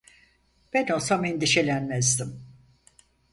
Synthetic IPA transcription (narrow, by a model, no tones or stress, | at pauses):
b̥ænosamind̪iʃelʲænmɛzd̪im